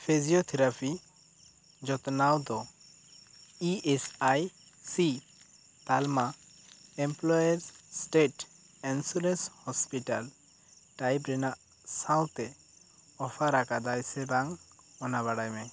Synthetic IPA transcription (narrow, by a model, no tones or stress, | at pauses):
pʰid͡ʒiɔt̪ʰiɾapʰi | d͡ʒɔt̪nawd̪ɔ | iɛsaj | si | t̪alma | ɛmplɔjaɾzsʈeʈ | ɛnsuɾenshɔspiʈal | ʈajpɾɛnaʔ | sãw̃t̪ɛ | ɔpʰaɾakad̪ajsɛbaŋ | ɔnaβaɽajmɛ